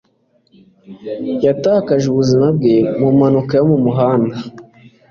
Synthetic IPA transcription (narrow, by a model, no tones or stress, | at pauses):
jataːkaʒuβuzimab̚ɡe̞mumanukajomumuɦaːnda